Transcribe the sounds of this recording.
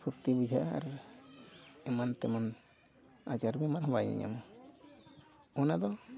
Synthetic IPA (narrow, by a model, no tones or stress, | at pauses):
pʰuɾt̪ibid͡ʒʱaʔa̰ɾ | ɛmant̪ɛman | ad͡ʒaɾbɛmaɾɦɔbaɲa̰ɲa̰mɔ | ɔnad̪ɔ